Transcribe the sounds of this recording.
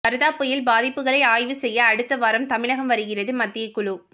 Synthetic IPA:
ɐɾɯðaːpːɯjɪlbaːðɪpːɯɣɐɭɐɪaːjʋɯsɛjːɐːɽɯt̪ːɐʋɐːɾɐmt̪ɐmɪɭɐɣɐmʋɐɾɯɣɪrɐðɯmɐd̪ːɪjɐɪkːʊɭɯ

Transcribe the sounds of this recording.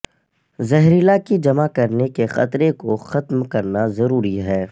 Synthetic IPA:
zɛɦɾilakid͡ʒɐmakɐɾnekexɐ̰t̪ɾekoxɐt̪mkɐɾnazɐɾuːɾiɦɛː

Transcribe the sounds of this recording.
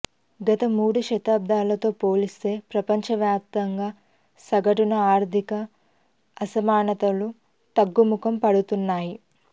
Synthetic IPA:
ɡɐt̪ɐmuːɽuʃɐt̪aːb̚d̪aːlɐt̪o̞ːpo̞ːlist̪e̞ːpɾɐpɐɲt͡ʃɐʋjaːp̚t̪ɐŋɡaː | sɐɡɐʈunɐaːɾd̪ʱikɐː | sɐmaːnɐt̪ɐlu | t̪ɐɡːumukʰɐmpɐɽut̪unːaːji

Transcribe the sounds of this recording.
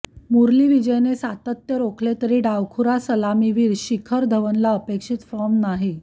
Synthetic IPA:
muɾliːʋid͡ʑəjnesat̪ət̪jəɾokʰlet̪əɾiːɖaʋkʰuɾasəlamiʋiːɾɕikʰəɾd̪ʱəʋənlaəpekʂit̪fɔmnaɦi

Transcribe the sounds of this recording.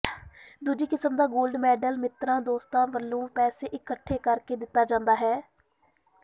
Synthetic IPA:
d̪ud͡ʒiːkɪsəmd̪aːɡoːlɖmɛːɖəlmɪt̪ɾãːd̪oːst̪ãːnʋəlːõːpɛːseːʔɪkːəʈʰːeːkəɾkeːd̪ɪt̪ːaːd͡ʒãːnd̪aːɦɛː

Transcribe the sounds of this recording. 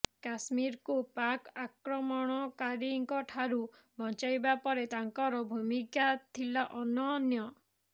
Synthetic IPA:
kasmiɾkupakakɾɔmɔɽ̃ɔkaɾiŋkɔʈʰaɾu | bʱɔnt͡ʃajbapɔɾet̪aŋkɔɾɔbʱumikat̪ʰilaʔɔnɔnjɔ

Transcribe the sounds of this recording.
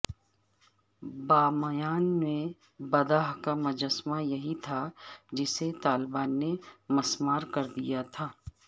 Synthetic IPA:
baːmɐjaːnmẽ | bɐd̪aːɦkamɐd͡ʒəsmajɐɦit̪ʰad͡ʒɪset̪aːlɪbaːnːemɐsmaːɾkɐɾd̪ḭjat̪ʰaː

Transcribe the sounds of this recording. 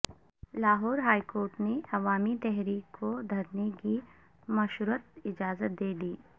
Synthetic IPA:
laːɦɔːɾɦaːikoːɾʈneɐʋaːmit̪ɛɦɾiːkkʰːod̪ʱɐɾneki | mɐʃɾuət̪̚ɪd͡ʒaːzət̪̚d̪eːd̪iː

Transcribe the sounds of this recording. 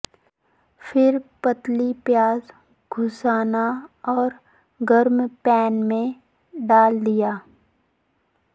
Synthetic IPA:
fʰɪɾpət̪lipjaːz | ɡʱʊsaːnaɔːɾ | ɡəɾmpɛːnmẽ | ɖaːld̪ɪjaː

